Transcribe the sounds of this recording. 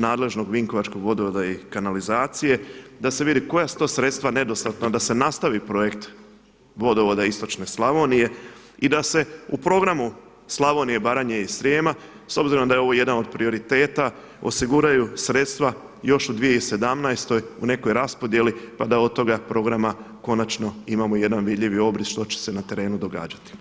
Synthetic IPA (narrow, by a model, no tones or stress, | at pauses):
naːd̪le̞ʒno̞ɡʋiŋko̞ʋat͡ʃko̞ɡʋo̞d̪oʋod̪aikanalizaːt̪sije̞d̪ase̞ʋid̪iko̞jasu̥t̪osɾe̞t̪st̪ʋane̞d̪o̞st̪at̪nad̪ase̞nast̪aʋipɾo̞je̞kt̪ | ʋo̞d̪o̞ʋo̞d̪aist̪o̞t͡ʃne̞slˠaʋo̞nije̞ | id̪ase̞upɾo̞ɡɾamu | slˠaʋo̞nije̞baːɾaɲeisɾjeːma | so̞bziɾo̞md̪ajo̞ʋoje̞d̪ano̞d̪̚pɾio̞ɾit̪e̞ːt̪a | o̞̰siɡuɾajusɾe̞t̪st̪ʋa | jo̞ʃud̪ʋijeise̞d̪amnajst̪o̞june̞ko̞jɾaspo̞d̪je̞lipad̪aod̪̚t̪ːo̞ɡapɾo̞ɡɾama | ko̞nat͡ʃno̞imamo̞je̞d̪anʋid̪ʎiʋio̞bɾisʃt̪o̞t͡ɕe̥se̞nat̪e̞ɾe̞ːnud̪o̞ɡa̰ːd͡ʒat̪i̥